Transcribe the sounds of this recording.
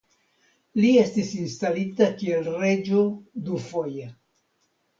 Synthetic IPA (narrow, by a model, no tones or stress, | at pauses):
lie̞stisinstalitakielre̞d͡ʒodufo̞je